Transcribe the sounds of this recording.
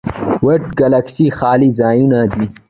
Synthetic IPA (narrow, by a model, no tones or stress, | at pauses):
wɐʈɡalaksixɑːlizaːjunad̪i